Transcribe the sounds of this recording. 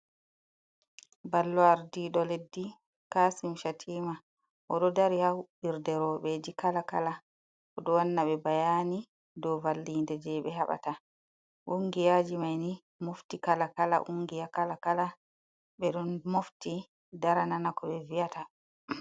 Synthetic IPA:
balːɔaɾdiɗɔledːi | kaːsimʃatʰiːma | ʔɔɗɔdaɾihahuɓiɾdɛɾɔɓɛd͡ʒikalakala | ʔɔɗɔwanːaɓɛbajaːni | dɔvalːindɛd͡ʒɛɓɛɦaɓa̰ta | ʔuŋɡijaːd͡ʒimajni | moftikalakala̰ʔuŋɡijakalakala | ɓɛɗɔnmofti | daɾananakɔɓɛvijata

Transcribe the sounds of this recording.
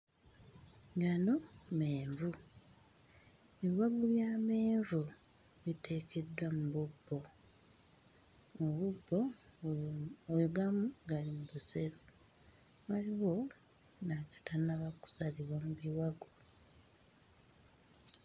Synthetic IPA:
ɡanomeːɱvu | e̞βiwaɡoβjaːmeːɱvu | βite̞ːkʰe̞dwamuβubːo̞ | βubːo | ɡamuɡalimuβuse̞ɾo | βaliβo̞ | naɡḁtanaβaku̥saliβwamuβiwaɡo

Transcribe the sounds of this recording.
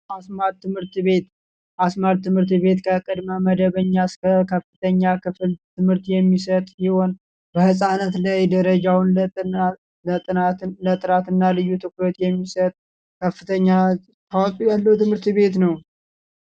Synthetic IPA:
asmaɾt̪ʰːɨmhɨɾt̪βe̞t̪ | ʔasmaɾt̪ʰːɨmhɨɾt̪βe̞t̪kʰəkʼɨd̪məməd̪əβəɲːaskʰəkʰəfːɨt̪ʰəɲːakʰɨflt̪ʰɨmhɨɾt̪jɛmːisət̪ʼhiho̞n | bəhɨsʼanət̪lajd̪əɾəd͡ʒawn | lət̪ʼɨnat̪lət̪ʼɨɾat̪ɨnːalɨjːut̪ʰɨkɾət̪jɛmːisət̪ʼ | kʰəfːɨt̪ʰəɲːa | t̪ʰawt̪ʼujalːəwt̪ʰɨmhɨɾt̪βe̞t̪nəw

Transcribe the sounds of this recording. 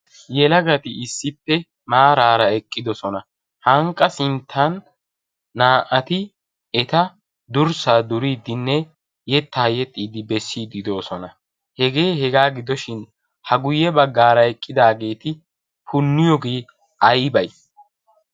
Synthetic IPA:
jɛlɐɡɐt̪ɪɪsːɪpːɛ | maːɾaːɾɐɛkʼːɪd̪ɔsɔnɐ | hɐŋkʼːɐsɪnt̪ʰːɐnː | aːʔɐt̪ɪ | ɛt̪ɐ | d̪ʊɾsaːd̪ʊɾiːd̪ɪnːɛ | jɛt̪ːɐjɛt̪ʼːiːd̪ɪbɛsːiːd̪ɪd̪o̞ːsɔnɐ | hɛɡe̞ːɦɛɡaːɡɪd̪ɔʃɪn | hɐɡʊjːɛbɐɡːaːɾɐɛkʼːɪd̪aːɡe̞ːt̪ɪ | pʰʊnːɪjɔɡeː | ɐjbɐj

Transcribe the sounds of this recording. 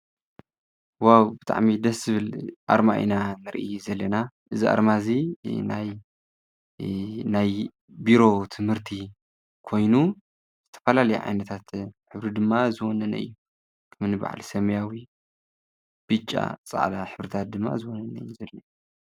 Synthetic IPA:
wawbɨt̪ʰʼa̰ʕmid̪ɐszɨβɨlʔa̰ɾmaʔḭnanɨɾʔɨ̰juzɐlːɐna | ʔɨziʔa̰ɾmazinaj | naj | biɾo̞t̪ʰɨmhɨɾt̪ʰi | kʰo̞jnu | z̥ɨt̪ʰɐ̥fɐlalɐjḭʕa̰jnɐt̪ʰat̪ħɨβɾid̪ɨmːazɨwɔnɐnɐ̰ʔɨ̰jːu | kʰɐmnɨba̰ʕa̰lsɐmjawi | b̥ɨt͡ʃʼːa̰t͡sʼa̰ʕd̪aħɨβɾɨt̪ʰat̪̚d̪ɨmːa̰zɨwɔnɐnɐɨjːuzɐlːɐ

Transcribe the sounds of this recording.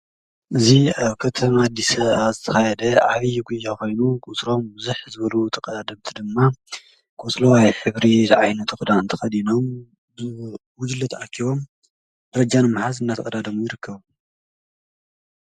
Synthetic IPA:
ʔɨziaβkʰɐt̪ʰɐmad̪isɐβazɨt̪ʰɐ̥xajɛd̪ɐʕaβijɡujːakʰo̞jnukʰʼut͡sʼɾo̞mbɨzuħzɨβɐlut̪ʰɐkʼɐd̪ad̪ɐmt̪ʰid̪ɨmːa | kʰʼɔt͡sʼlɐwajħɨβɾizʕajnɐt̪ʰkɨd̪aɨnt̪ʰɐxɐd̪ino̞m | bɨwʊd͡ʒɨlːɐt̪ʰɐʔakʰːiβo̞m | d̪ɐɾɐd͡ʒanɨmːħazɨnːat̪ɐkʼɐd̪ad̪ɐmujɪɾɨkʰːɐβu

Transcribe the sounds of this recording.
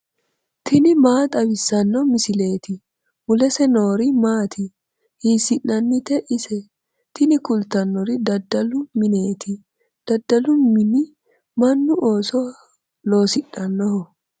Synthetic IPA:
t̪ʰɪnɪmaːt̪ʼɐbɪsːɐnːɔmɪsɪle̞ːt̪ɪ | mʊlɛsɛno̞ːɾɪmaːt̪ʰɪ | hiːsɪnːɐnːɪt̪ɛʔɪsɛ | t̪ɪnɪkʊlt̪ɐnːɔɾɪd̪ɐd̪ːɐlʊmɪne̞ːt̪ʰɪ | d̪̥ɐd̪ːɐlʊmɪnɪ | mɐnːʊʔoːsɔ | lo̞ːsɪnːɐnːɔhɔ

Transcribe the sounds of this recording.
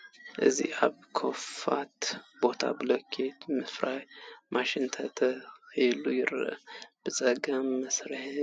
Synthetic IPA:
ʔɨzḭʔaβkʰofat̪bo̞t̪ʰa̰bɨlokʰet̪mɨfɾajmʔaʃɪnt̪ʰɐt̪ʰəxjlːujɪɾɨ̰ʔb̥ɨt͡sʼəɡɐmːəsɾɨh

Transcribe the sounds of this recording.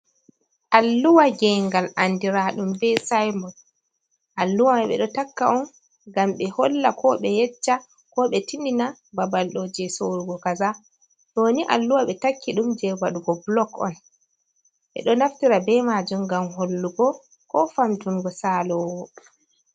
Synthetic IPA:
ʔalːuwaɡɛŋɡalʔandiɾaɗumbɛsajmɔl | ʔalːuwamɛɓɛ̰ɗɔtakːa̰ʔɔn | ɡamɓɛhɔlːakʰɔɓɛjɛt͡ʃːa | kɔɓɛtindinababalɗɔd͡ʒɛsoɾuɡɔkaza | ɗoniʔa̰lːuwaɓɛtakːiɗumd͡ʒɛbaɗuɡɔblɔkɔ̰n | ɓɛ̰ɗɔnaftiɾabɛmad͡ʒumɡamɦolːuɡɔ | kɔfamtuŋɡɔsalɔwwɔ

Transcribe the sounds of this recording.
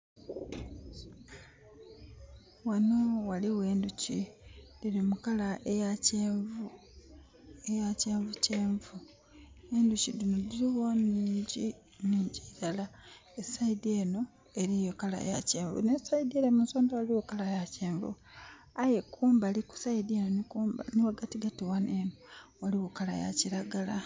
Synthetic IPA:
wano̞waliwe̞ːnducid̥iɾimukalaʔejacev | ejace̞ːɱvuceːɱvu | e̞nducidinodiɾiwoniiːɲɟi | niːɲɟiiɾalaesaideno̞ | eɾijokala̰ḛjaceːɱvṵnesaideɾemunsoːndawaliwokalajaceːɱvṵ | aje̞kʰuːmbaliku̥saideno̞nikumba̰niwaɡatiɡatiwanenowaliwokala̰ja̰ciɾaɡala

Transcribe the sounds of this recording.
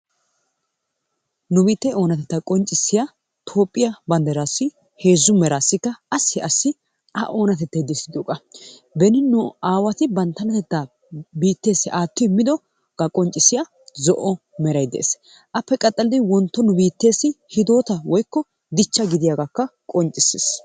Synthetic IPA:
nʊbiːt̪ːɛo̞ːnɐt̪ɛt̪ːɐkʼɔnt͡ʃʼːɪsːɪja | t̪ʰo̞ːpʼːɪjɐbɐnd̪ɐɾaːsːɪ | he̞ːzːʊmɛɾaːsːɪkːɐɐsːɪɐsːɪ | ɐʔo̞ːnɐt̪ɛt̪ːɐjd̪ɛsːɪd̪joːkʼɐ | bɛnɪnʊaːwɐt̪ɪbɐnt̪ːɐnɐt̪ɛt̪ːa | biːt̪ːe̞ːsːɪʔaːt̪ːɔɪmːɪd̪ɔ | ɡ̥ɐkʼɔnt͡ʃʼːɪsɪja | zɔ̰ʔɔ | mɛɾɐjd̪ɛḛːs | ʔɐpːɛkʼɐt̪ʼːɐlɪd̪ɪwɔnt̪ːɔnʊbiːt̪ːe̞ːsːɪhɪd̪o̞ːt̪ɐwɔjkːɔ | d̪ɪt͡ʃːɐɡɪd̪ɪjaːɡakːɐkʼɔnt͡ʃʼːɪsːes

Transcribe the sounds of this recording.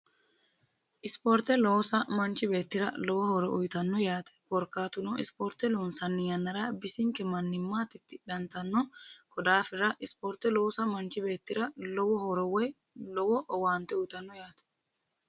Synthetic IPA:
ʔɪspɔːɾt̪ɛlɔwsɐmɐnt͡ʃːɪbe̞ːt̪ːɪɾɐlɔwɔhɔɾɔʔʊjt̪ɐnːɔjaːt̪ɛ̥kɔɾkːaːt̪ʊnɔɪspoːɾt̪ːɛloːnsɐnːɪjɐnːɐɾabɪsɪŋkɛmɐnːɪmːaːt̪ɪt̪ːɪᶑɐnt̪ɐnːɔkʰɔd̪aːfɪɾɐʔɪspɔɾt̪ːɛlɔːsɐmɐnt͡ʃɪbe̞ːt̪ːɪɾɐlɔwɔhɔɾɔwɔj | lɔwɔʔɔwaːnt̪ɛʊjt̪ɐnːɔjaːt̪ɛ̥

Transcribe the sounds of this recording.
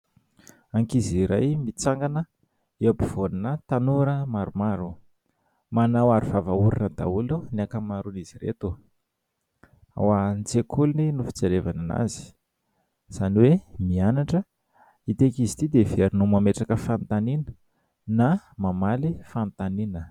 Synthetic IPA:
aŋkiziɾa̰jmit͡saŋɡanə | eabiv̥oninət̪anuɾəmaɾumaɾu | manawaɾuvavauɾinəd̪a̰ulunakəmaɾuniziɾḛt̪u | a̰want͡sekʰuluninufi̥t͡seɾevanana̰zi̥ | z̥aniwemianaʈ͡ʂə | it̪ekizit̪id̪eveɾinumameʈ͡ʂakəfant̪aninə̥ | namamalifant̪aninə

